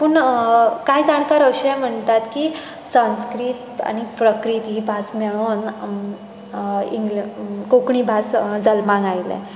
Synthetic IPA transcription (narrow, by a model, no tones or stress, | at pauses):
pəɳkajd͡zaɽ̃kaɾəɕɛm̤əɳt̪at̪ki | sãnskɾiːt̪a̰ñipɾəkɾit̪ibʱasmɛɭ̃on | iŋɡkokɳibʱasd͡zəlmãŋɡajlɛ̰̃